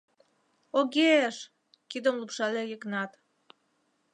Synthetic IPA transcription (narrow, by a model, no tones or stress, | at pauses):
oɣeʃ | kid̪ə̆mlupʃɑlejəknɑt̪